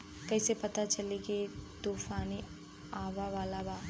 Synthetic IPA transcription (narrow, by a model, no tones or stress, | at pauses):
kɐːsepɐt̪at͡ʃɐliɡit̪oːfaːni | aːʋaʋaːlabaː